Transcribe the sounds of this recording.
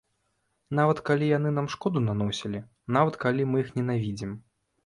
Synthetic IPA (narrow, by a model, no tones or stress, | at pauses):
navɐt̪kalʲijanɨnamʂkɔd̪unanɔsʲilʲi | navɐt̪kalʲimɨjixnʲɛnavʲid͡zʲim